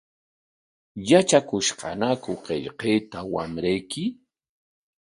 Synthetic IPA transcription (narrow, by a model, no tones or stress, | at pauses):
jat͡ʃakʊʃqɑ̰nakʊqeʎqeːt̪awa̰mɾajkɪ